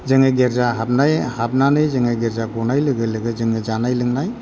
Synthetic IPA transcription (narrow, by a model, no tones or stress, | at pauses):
zɯŋeɡeɾzaɦab̚najhab̚nanɯjzɯŋeɡeɾzabɔnajlɯɡɯləɡɯzɯŋed͡ʒanajlɯŋnaj